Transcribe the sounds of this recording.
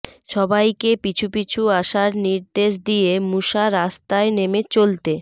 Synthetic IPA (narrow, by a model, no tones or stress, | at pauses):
ʃɔbajkepit͡ɕʰupit͡ɕʰuaʃaɾniɾd̪eʃ̬d̪ijemuʃaɾast̪aenemet͡ɕolt̪e